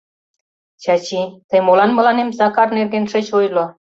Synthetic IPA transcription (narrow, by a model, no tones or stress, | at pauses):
t͡ɕɑt͡ɕit̪əjmolɑnmɤ̆lɑnemzɑkɑrnerɣenʃĕt͡ɕojlo